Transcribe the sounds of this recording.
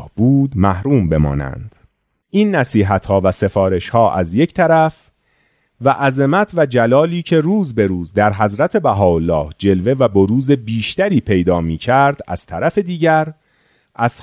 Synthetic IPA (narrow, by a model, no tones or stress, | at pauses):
hb̥uːd̪mæhɾuːmbe̞mɒ̰ːnæ̰nd̪̥ | ʔinːæsiːɦæt̪hɒːvæse̞fɒːɾe̞ʃhɒːʔæ̰zje̞cʰt̪ʰæɾæf | væʔæzemæt̪ʰvæd͡ʒælɒːliːcʰe̞ruːzbe̞ɾuːzd̪æɾɦæzɾæt̪ʰe̞bæɦɒːolːɒːhd͡ʒe̞lve̞væboɾuːze̞biːʃt̪æɾiːpʰe̞jd̪ɒːmiːcʰæɾd̪̥æ̰z̥t̪ʰæɾæfe̞d̪iːɟæɾ | ʔæz̥